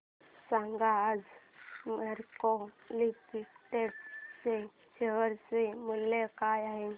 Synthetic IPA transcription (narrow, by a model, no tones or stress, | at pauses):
sãŋɡaːd͡z | maɾkolipʈeʈse | ɕeʋəɾseməlːekajaɦe